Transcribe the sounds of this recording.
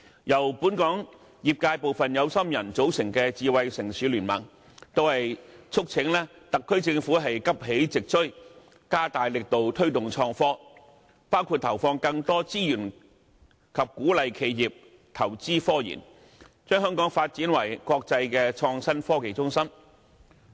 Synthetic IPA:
jɐ˨˩wpuː˨˥nkɔː˨˥ŋ | jiː˨p̚kaː˧jpo˨wfɐ˨njɐ˨˧wsɐ˥mjɐ˨˩nt͡so˨˥wsɪ˨˩ŋkɛː˧t͡siː˨˧wɐ˨jsɪ˨˩ŋsyː˨˧˥lyː˨˩nmɐ̰˨˩ŋ | t̪o˥whɐ˨jt͡sʰʊ˥k̚t͡sʰɪ˨˥ŋlɛː˥t̪ɐ˨kʰːɵ˥ɥt͡sɪ˧ŋfuː˨˥ɦɐ˨jkɐ˥p̚ɦe˨˥jt͡sɪ˨k̚t͡ʃʰɵ˥ | kaː˥t̪aː˨jlɪ˨k̚t̪o˨wt̪ʰɵ˥ɥt̪ʊ˨ŋt͡ʃʰɔː˧ŋfɔː˥ | paː˥wkʰuː˧t̚t̪ʰɐ˨˩wfɔː˧ŋkɐ˧ŋt̪ɔː˥t͡siː˥jyː˨˩n | kʰɐ˨p̚kuː˨˥lɐ˨jkʰe˨˧˥jjiː˨p̚ | t̪ʰɐ˨˩wt͡siː˥fɔː˥jḭː˨˩n | t͡ʃœː˥ŋɦœː˥ŋkɔː˨˥ŋfaː˧t̚t͡siː˨˥nwɐ˨˩jkʷɔː˧k̚t͡sɐ˧jkɛː˧t͡ʃʰɔː˧ŋsɐ˥nfɔː˥ke˨˩jt͡sʊ˥ŋsɐ˥m

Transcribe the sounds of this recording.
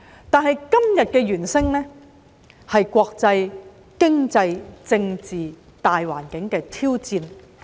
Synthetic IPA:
t̪aː˨˧nɦɐ˨jkɐ˥mjɐ˨t̚kɛː˧jyː˨˩nsɪ˥ŋnɛː˥ | hɐ˨jkʷɔː˧k̚t͡sɐ˧j | kɪ˥ŋt͡sɐ˧jt͡sɪ˧ŋt͡siː˨ | t̪aː˨jwaː˨˩nkɪ˨˥ŋkɛː˧t̪ʰiː˥wt͡siː˧n

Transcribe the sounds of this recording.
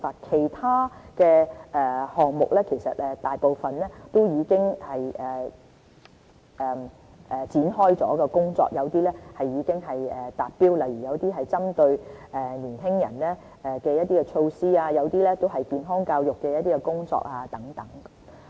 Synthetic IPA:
aː˧t̚kʰe˨˩jt̪ʰaː˥kɛː˧ʔɛː˨hɔː˨˩ŋmʊ̰˨k̚lɛː˥kʰe˨˩jsɐ̰˨t̚ɛː˨t̪aː˨jpo˨wfɐ˨nlɛː˥t̪o˥wjiː˨˧kɪ˥ŋhɐ˨jɛː˨˩ | ʔɛː˨˩ | ʔɛː˨˩t͡siː˨˥nɦɔː˥jt͡sɔ̰ː˨˥kɛː˧kʊ˥ŋt͡sɔ̰ː˧k̚jɐ˨˧wt̪iː˥lɛː˥hɐ˨jːiː˨˧kɪ˥ŋɦɐ˨jɛː˨t̪aː˨t̚piː˥wlɐ˨jɥyː˨˩jɐ˨˧wt̪iː˥ɦɐ˨jt͡sɐ˥mt̪ɵ˧ɥɛː˨˩niː˨˩nhɪ˥ŋjɐ̰˨˩nlɛː˥ | ʔɛː˨kɛː˧jɐ˥t̚t̪iː˥kɛ˧t͡ʃʰo˧wsiː˥aː˧jɐ˨˧wt̪iː˥lɛː˥t̪o˥wɦɐ˨jkiː˨nɦɔː˥ŋkaː˧wjʊ˨kːɛː˧jɐ˥t̪̚iː˥kɛ˧kʊ˥ŋt͡sɔ̰ː˧k̚aː˧t̪ɐ˨˥ŋt̪ɐ˨˥ŋ

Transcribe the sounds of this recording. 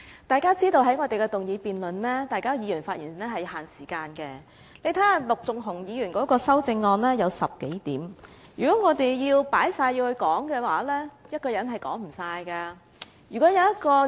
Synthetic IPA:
t̪aː˨jkaː˥t͡siː˥t̪o˧wɦɐ˨˥jŋɔː˧t̪e˨˩jkɛ˧t̪ʊ˨ŋjiː˨˧piː˨nlɵ˨nlɛː˥t̪aː˨˩jkaː˥jiː˨˧˥yː˨˩nfaː˧t̚ʔiː˨˩n˩nlɛː˥hɐ˨jhaː˨nsiː˨˩kaː˧nkɛː˧ | le˨˧jt̪ʰa˨˦˥lʊ˨k̚t͡sʊ˨ŋɦʊ˨˩ŋjiː˨˧jyː˨˩nkɔː˨˥kɔː˧sɐ˥wt͡sɪ˧ŋːɔː˧nlɛː˥jɐ˨˧wsɐ˨p̚ke˨˥jt̪iː˨˥mjyː˨˩kɔː˨˥ŋɔː˨˧t̪e˨jjiː˧wpaː˨˥jsaː˧ji˧whɵ˧ɥkɔː˨˥ŋkɛː˧waː˨˥lɛː˥jɐ˥t̚kɔː˧jɐ˨˥nɦɐ˨jkɔ̰ː˨˥ŋm̩˨˩saː˧jka˧ | jy˨˩kɔ˨˥jɐ˨˧wjɐ˥t̚kɔː˧

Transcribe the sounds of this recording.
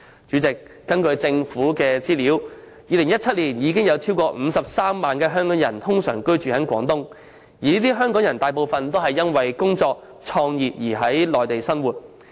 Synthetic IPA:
t͡ʃyː˨˥t͡sɪ˨k̚ːɐ˥nkɵ˧ɥt͡sɪ˧ŋfuː˨˥kɛː˧t͡siː˥liː˨˥w | jiː˨˧lɪ˨˩ŋjɐ˥t̚t͡sʰɐ˥t̚liː˨˩njiː˨˧kɪ˥ŋjɐ˨˧wt͡sʰiː˥wkɔː˧m̩˨˧sɐ˨p̚saː˥mːaː˨nkɛː˧ɦœː˥ŋkɔː˨˥ŋjɐ̰˨˩nt̪ʰʊ˥ŋsœː˨˩ŋkɵ˥ɥt͡ʃyː˨hɐ˨˥nkʷwɔː˨˥ŋt̪ʊ˥ŋ | jiː˨˩niː˥t̪iː˥ɦœː˥ŋkɔː˨˥ŋjɐ˨˩nt̪aː˨jpo˨wfɐ˨nt̪o˥wɦɐ˨jːɐ˥nwɐ˨jkʊ˥ŋt͡sɔː˧k̚ | t͡ʃʰɔː˧ŋjiː˨p̚jiː˨˩ɦɐ˨˥jlɔː˨˩jt̪e˨jsɐ˥nwuː˨˩t̚

